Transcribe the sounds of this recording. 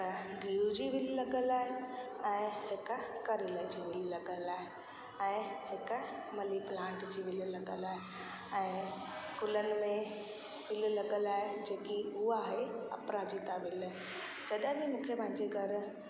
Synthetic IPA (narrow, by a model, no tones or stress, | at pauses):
ɡʱiːud͡ʑiːʋɪllɐɠəlaːɦeɛ̃ːhɪkkɐɾɪləd͡ʑiːʋɪllɐɠəlaːɦe | ɛ̃ːhɪkmɐliplãːɳʈd͡ʑiːʋɪllɐɠəlaːɦe | ɛ̃ː | kʊlənɪ̆mẽ | ʋɪllɐɠəlaːɦed͡ʑeːkiʊaːɦeɐ̰pɾad͡ʑit̪aʋɪlaɦ | d͡ʑɐɗɦbimũːkʰepɐ̃ɦɪ̃ɲd͡ʑeɡʱɐɾ̆